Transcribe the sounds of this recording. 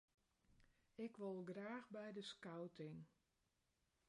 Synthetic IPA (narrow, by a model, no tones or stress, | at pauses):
ɪkʋolˠɡraːxbɛjdəskawtʰɪŋ